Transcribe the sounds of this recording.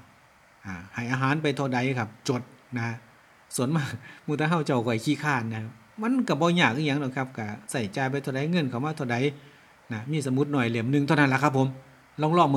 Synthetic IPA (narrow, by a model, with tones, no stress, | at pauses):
ʔaː˨˩ha˨˩jʔaː˧ɦaː˨˦np̬a˧jt̪ʰɔ˧˩da˨˧˦jkʰa˧˩p̚t͡ɕo˧˦t̪̚na˧ | su˨˧˦ənmaː˧˩muː˧˩t̪ʰaː˧ɦa˧˩˨wt͡ɕa˧˩wkɔː˧˨jkʰiː˧˥˨kʰaː˧˩n̚na˧˩˧ | ma˧˥˨nka˧˩bɔː˧˦ɲaː˧˩k̚ʔɯː˧ɲa˧˥ŋdo˧˩˨jkʰa˧˥p̚ka˧˩sa˧˩jt͡ɕaː˧jpa˧jt̪ʰa˧˩˨da˧˦jŋɤ˧˥˨nkʰa˨˩wmaː˧˩t̪ʰa˧˩da˧˦j | na˧miː˧˥˨sa˧˦mu˧˦t̪̚nɔː˧˩jle˨˧˩mnɯ˧ŋt̪ʰːwna˧˥˨la˧kʰa˧pʰːo˨˧˦m | lɔː˧˥˨ŋlɔː˧˩˨ŋm˧